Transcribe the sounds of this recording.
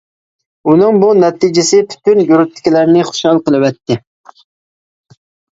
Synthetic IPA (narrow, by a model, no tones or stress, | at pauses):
unɨŋbunɛt̪ʰɪd͡ʒɪsɪpʰy̥t̪ʰynjuɾɪt̪ʰːɪ̥kʲilæɾnɪχʊ̥ʃhɑlˠqəlˠɨwɛt̪ʰːɪ